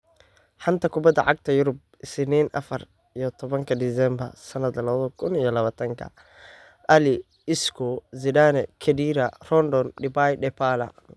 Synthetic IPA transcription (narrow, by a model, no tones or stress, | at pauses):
ħɑnt̪ʰɐkʰʊbɐd̪ːɐ̰ʕɑɡ̚t̪ʰɐjʊɾʊb̚ | ɪsniːnʔɐ̰fɐr | ijɔt̪ʰɔβɐŋkʰɐd̪ɪsɛmbɐ̰rsɐnɐd̪lɐlɐβɐðɐkʰʊnijɔlɐβaːt̪ʰɐŋkʰɐ̰ | ʔɐlɪ | ɪskʰɔzɪdaːnɛkʰɛdiːɾɐrɔnd̪ɔnɖɪbajɖɛpʰalɐ̰